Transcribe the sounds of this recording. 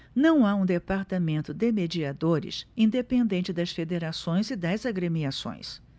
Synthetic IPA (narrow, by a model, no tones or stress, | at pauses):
nɐ̃w̃aũd̪epaɾt̪amẽnt̪ʊd̪emed͡ʒiad̪oɾɪ̰sĩnd̪epẽnd̪ẽnt͡ʃɪd̪ɐsfed̪eɾasõj̃zɪd̪ɐzaɡɾemiasõ̰j̃s